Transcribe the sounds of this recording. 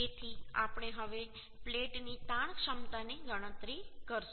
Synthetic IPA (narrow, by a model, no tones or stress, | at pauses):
et̪ʰia̰pɽ̃eɦəʋe | pleʈnit̪aɽ̃kʃəmt̪aneɡəɽ̃ə̃t̪ɾikəɾs